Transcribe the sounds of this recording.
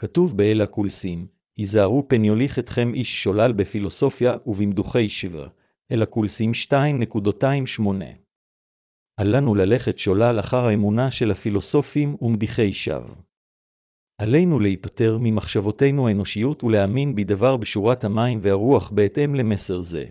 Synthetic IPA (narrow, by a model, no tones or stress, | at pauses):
katuvbeelakulsim | hizaːʁupenjo̞liχetχe̞mʔiʃːo̞lalbefilo̞so̞fjaʔuvimd̪uχe̞jʃvḛʁ | ʔelakulsimʃtaimne̞kudotaimʃmo̞ne̞̰ | ʔalanulale̞χe̞tʃo̞lalaχaʁaemunaʃe̞lhafilo̞so̞fimumd̪iχe̞jʃa̰v | ʔale̞jnulehipate̞ʁmimaχʃavo̞te̞jnuhaeno̞ʃijutuleaminbid̪avaʁbeʃuʁathamaimveaʁuaχbe̞ːte̞mle̞me̞se̞ʁze̞̰